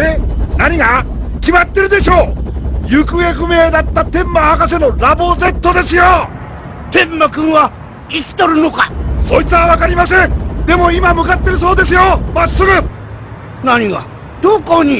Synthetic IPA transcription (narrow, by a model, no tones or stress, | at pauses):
enaɲ̟iɡakʲimat̪ːe̞ɾɯ̟d̪e̞ɕo̞ːjɯkɯ̟ekɯ̟me̞ːd̪at̪ːat̪ẽ̞mːahakas̬e̞no̞ɾabo̞ze̞t̪ːo̞d̪e̞sɨjo | t̪ẽ̞mːakɯ̃ɰ̃βa | it͡si̥t̪oɾɯno̞kaso̞it͡sɨβaβakaɾʲimasẽ̞nd̪e̞mo̞imamɯ̟kat̪ːe̞ɾɯ̟so̞ːd̪e̞s̬ɨjomasːɨɡɯ | naɲ̟iɡa̰ | d̪̥oːkoɲi